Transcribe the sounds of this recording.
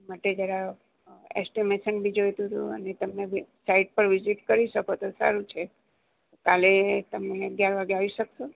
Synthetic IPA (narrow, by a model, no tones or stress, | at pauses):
maʈed͡ʒjaɾa | ɛ̰sʈimeʃənbʱid͡ʒojt̪ũt̪ṵə̰net̪əmnesaiʈ̚pəɾʋiziʈkəɾiʃəkot̪osa̰ɾũt͡ʃʰe | okalet̪əmneəɡjaɾʋaɡeaʋiʃəkʃo